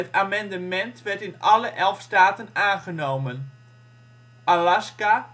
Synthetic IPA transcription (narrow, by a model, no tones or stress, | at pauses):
ətamɛndəmɛntʋɛrtɪnʔɑləʔɛlˠfstaːtənaːnɣənowmən | ʔalaska